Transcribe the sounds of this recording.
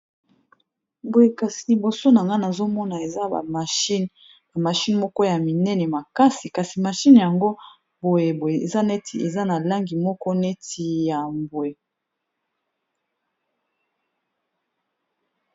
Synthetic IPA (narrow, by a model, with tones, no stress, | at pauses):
bo˨je˨ka˨si˨li˨bo˨so˦na˨ŋɡa˦na˨zo˦mɔ˦na˨e˨za̰˦˨a˨ʃi˦n | ba˨ma˨ʃi˦nmɔ˦kɔ˦ja˨mi˨nɛ˦nɛ˨ma˨ka˦si˨ka˨si˨ma˨ʃi˦nja˨ŋɡo˦ | bo˨je˨bo˨je˨e˨za˦ne˦tʰi˨e˨za˦na˨la˦ŋɡi˨mɔ˦kɔ˦ne˦ti˨ja˨mbwe˨